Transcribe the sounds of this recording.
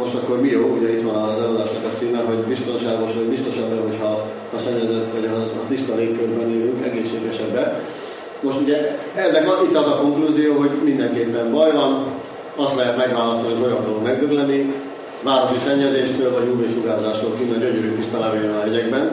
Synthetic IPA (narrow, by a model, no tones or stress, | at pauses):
mo̞ʃt̪ɒkːo̞rmijoːuɟɛit̪ʋɒnɒzɛlod̪aːʃnɒkɒt̪siːmɛɦo̞ɟbist̪o̞nʃaːɡo̞ʃʋɒɟbist̪o̞ʃɛbːɛɦo̞chɒː | sɛɲːɛzɛt̪ʋɒɟɒt̪ist̪ɒleːkːørbɛneːɾyŋkɛɡeːʃːeːɡɛʃɛbːɛ | mo̞ʃt̪uɟɛ | ɛlːɛɡʔit̪ːɒzɒko̞ŋkluzijoːɦo̞ɟmind̪ɛŋkeːpːɛɱbɒjvɒn | ɒst̪lɛɦɛt̪mɛɡʋaːlɒst̪oniɦoo̞jɒŋkolomɛɡd̪øɡlɛnːi | vaːɾo̞ʃisɛɲːɛzeːʃt̪øːlvɒɟmuːbɒiʃuɡaːɾozaːʃt̪oːlkinɛɟøɲøɾyt̪ist̪ɒlaːvejønɒɦɛɟɛɡbɛn